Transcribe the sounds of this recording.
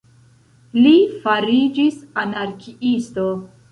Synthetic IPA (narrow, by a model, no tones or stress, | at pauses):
lifaɾid͡ʒisanaɾkʰiisto